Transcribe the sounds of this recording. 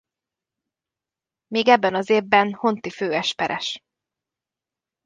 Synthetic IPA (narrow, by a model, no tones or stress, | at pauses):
meːɡɛbːɛnɒzeːvbɛnho̞nt̪iføːɛʃpɛɾʔɛ̰ʃ